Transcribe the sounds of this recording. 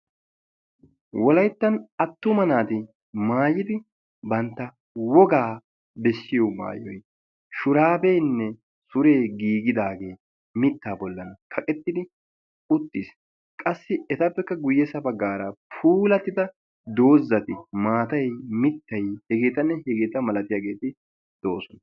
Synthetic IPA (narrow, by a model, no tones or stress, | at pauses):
wɔlɐjt̪ːɐnɐt̪ːʊmɐnaːt̪ɪ | maːjɪd̪ɪ | bɐnt̪ːɐ | wɔɡaː | bɛʃːɪjɔma̰ːjɔj | ʃʊɾaːbejnːɛ | sʊɾe̞ːɡiːɡɪd̪aːɡe̞ː | mɪt̪ːaːbɔlːɐnɐkʰɐkʼɛt̪ːɪd̪ɪ | ʊt̪ːis | kʼɐsːɪɛt̪ɐpːɛkːɐɡʊjːɛsɐbɐɡːaːɾɐpʰuːlɐt̪ːɪd̪ɐ | d̪o̞ːzːɐt̪ɪmaːt̪ɐjmɪt̪ːɐjhɛɡe̞ːt̪ɐnːɛhɛɡe̞ːt̪ɐmɐlɐt̪ɪjaːɡe̞ːt̪ɪ | d̪̥o̞ːsɔn